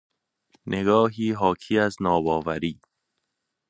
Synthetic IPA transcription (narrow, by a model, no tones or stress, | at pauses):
nʔeɡɒːɦiːɦɒːkʰiːæznɒːbɒːvæɾiː